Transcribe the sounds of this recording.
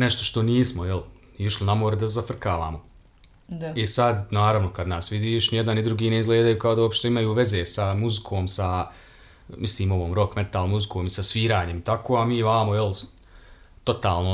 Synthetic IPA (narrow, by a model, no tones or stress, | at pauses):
neʃt̪o̞ʃt̪o̞niːsmo̞jel | iʃlinamoɾed̪azafr̩kaːʋa̰ːmo̞ | isad̪naːɾaʋnokad̪naːsʋid̪iːʃnjed̪anid̪ɾuɡiːneizɡleːd̪ajuːkaod̪auopʃt̪eimajuːʋe̞zeːsamuzikʰoːmsa | misliːmo̞ʋoːmɾo̞kme̞t̪aːlˠmuzikʰoːmisasʋiːɾaːɲe̞mit̪akʰoːamiːʋamojel | t̪o̞t̪aːlˠno